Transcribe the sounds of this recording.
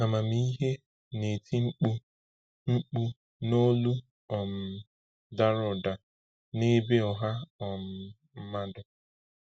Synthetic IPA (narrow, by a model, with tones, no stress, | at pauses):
a˨ma˨m˦i˦ɦe˦ | ne˨tʰi˦ŋ͡m̩˦k͡pu˦ | ŋ͡m̩˦k͡pu˦ | no˦lu˦ | ɔ˨m̩˨ | da˦ɾʊ˨da˨ | ne˦be˦ɔ˨ɦa˦ɔ˨m̩˨ | m̩˦ma˦dʊ˨